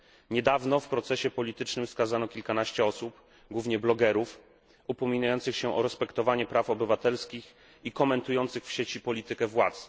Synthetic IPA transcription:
ɲɛd̪avnɔfpɾɔt̪sɛɕɛpɔlʲit̪ɘt͡ʂnɘmskazanɔkʲilkanaɕt͡ɕɛɔsup | ɡwuvɲɛblɔɡɛɾuf | upɔmʲinajɔnt̪sɘxɕɛʔɔɾɛspɛkt̪ɔvaɲɛpɾafɔbɘvat̪ɛlskʲix | ikɔmɛnt̪ujɔnt̪sɘxfɕet͡ɕipɔlʲit̪ɘkɛvwat̪s

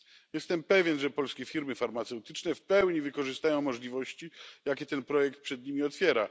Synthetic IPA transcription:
jɛst̪ɛmpɛvʲjɛnʐɛpɔlskʲɛfʲiɾmɘfaɾmat̪sɛwt̪ɘt͡ʂnɛfpɛwɲivɘkɔʐɨst̪ajɔ̃w̃mɔʐlʲivɔɕt͡ɕijakʲɛt̪ɛnpɾɔjɛk̚t̪̚pʂɛd̪̚ɲimʲiɔt̪fʲjɛɾa

